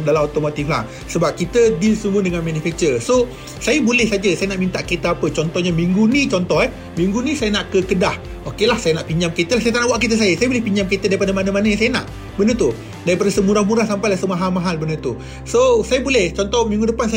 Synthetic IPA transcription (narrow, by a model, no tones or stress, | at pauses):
dalamot̪omot̪ifla̰h | səbap̚kit̪ədilsəmuədəŋanmanufɛk̚t͡ʃəso | sajəbulɛhsad͡ʒəsajənaʔmint̪aʔket̪əapət͡ʃɔnt̪ɔhɲamiŋɡunit͡ʃɔnt̪ɔɦɛ | mĩŋɡunĩsajənaʔkəkədah | okelahsajənaʔpiɲd͡ʒamket̪əlahsajət̪anaʔwaʔkit̪̬əs̬ajəsajəbolɛhpiɲd͡ʒamket̪ədaɾipadəmanamanajaŋsajəna̰ʔ | bənət̪u | daɾipadəsəmuɾahmuɾahsampajlahsəmaɦalmaɦalbənət̪u | sosajəbulɛht͡ʃɔnt̪ɔhmĩŋɡudəpansa